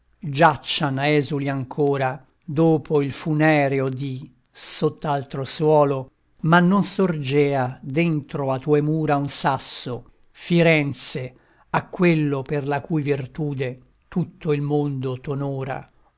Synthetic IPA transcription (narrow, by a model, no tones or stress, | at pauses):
d͡ʒat͡ʃːanɛːzuliaŋkʰoːɾa | d̪oːpʰoilfunɛːɾeod̪i | sot̪ːalt̪ɾoswɔːlo | manːonsord͡ʒɛːad̪ent̪ɾoat̪uːemuːɾaunsasːo | fiɾɛnt̪se | akːwelːoperlakujvirt̪uːd̪e | t̪ut̪ːoilmond̪ot̪onuːɾa̰